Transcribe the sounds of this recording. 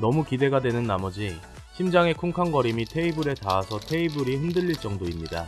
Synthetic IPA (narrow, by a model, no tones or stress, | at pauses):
nʌmukide̞ɡadwe̞nɯnːamʌd͡ʑi | ɕʰimd͡ʑaŋe̞kʰuŋkʰaŋɡʌɾimitʰe̞ibɯɾe̞taasʰʌtʰe̞ibuɾiɸɯndɯʎːiɭt͡ɕ͈ʌŋdoimɲida